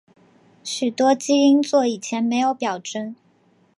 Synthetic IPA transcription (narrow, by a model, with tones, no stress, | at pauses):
ɕy˨˩t̪wɔ˥t͡ɕi˥i˥ŋt͡swɔ˥˩i˨˩t͡ɕʰjɛ˧˥nme˧˥ɪjo˧˥ʊpjɑ˨˩ʊʈ͡ʂə˥ŋ